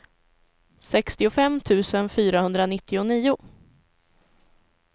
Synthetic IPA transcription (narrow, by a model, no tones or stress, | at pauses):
sɛkst̪ɪʊfɛmːt̪ʰʉ̟ːsənfyːɾahɵnd̪ɾanɪt̪ʰːɪʊniːʊ